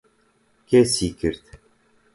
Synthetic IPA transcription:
kesjikʲiɾt̪

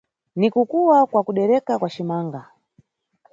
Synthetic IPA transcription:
nikukuwakwakuɗɛɾɛkakwaʃimaːŋɡa

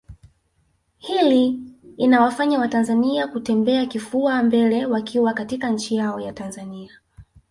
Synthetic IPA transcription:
hiliːnawafaɲawatanzaniakutɛmbɛakifuambɛlɛwakʰiwakatikaɲ̩t͡ʃijaɔjatanzania

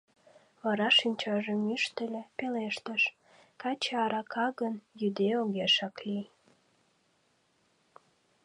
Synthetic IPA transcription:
βɑɾɑʃinʲt͡ɕɑʒəmyʃt̪ə̆lʲĕpeleʃt̪əʃ | kɑt͡ɕeɑɾɑkʰɑɣənjyd̪eoɣeʃɑkli

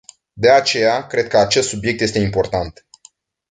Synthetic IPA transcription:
d̪e̞at͡ʃe̞jakɾe̞d̪̚kəat͡ʃe̞st̪subje̞k̚t̪jest̪eimpo̞rt̪ant̪

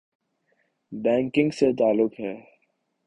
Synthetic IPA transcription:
bɛ̃ːŋkɪ̃ŋɡset̪aːlːʊkɦɛː

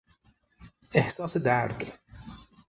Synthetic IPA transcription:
ʔɪhsɑːsd̪aɾk

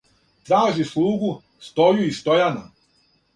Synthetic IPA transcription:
t̪ɾaːʒislˠuːɡu | st̪ojuist̪ojana̰

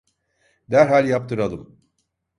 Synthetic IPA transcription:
d̪æɾɦalʲjap̚t̪ʰɯɾad̪ˠɯm

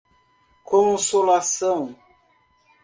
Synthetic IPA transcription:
kõnsolasɐ̃w̃

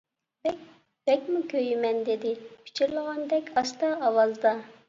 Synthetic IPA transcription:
bɛk̚ʲ | b̥ɛkʲmukʲʰøjɪmɛnd̪ɪd̪ɪpʰi̥t͡ʃʰiɾlˠəʁɑnd̪ɛkʲʰɑst̪ɑːwɑlˠd̪ɑ

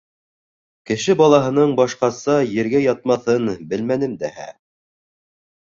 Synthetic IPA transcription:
kɘ̆ʃɘbɑlˠɑɦɤ̆nɤɴbɑʃqɑsɑjɘ̆ɾɡæjɑt̪̚mɑθɤnbɘlmænɘmd̪æhæ̰

